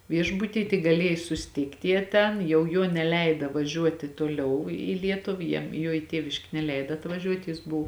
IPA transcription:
ˈʋʲiɛʒbʊtʲiː tʲɪk ɡɐˈlʲiɛj sʊsʲɪˈtʲiːktʲ ˈjiɛ ˈtʲɛn jɛʊ ˈjuɔ nʲɛˈlʲɛɪdɐ ʋɐˈʒʲuɔtʲɪ toːˈlʲɛʊ iː ˈlʲiɛtʊw ˈjiɛm ˈjuɔ ɪ ˈtʲiɛʋʲɪʃʲkʲeː nʲɛˈlʲɛɪdɐ ɐtʋɐˈʒʲuɔtʲ jɪs ˈbʊʋʊ

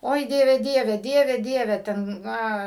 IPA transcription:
ˈoːɪ ˈdʲiɛʋʲɛ ˈdʲiɛʋʲɛ ˈdʲiɛʋʲɛ ˈdʲiɛʋʲɛ ˈtʲɛn ˈnɐ

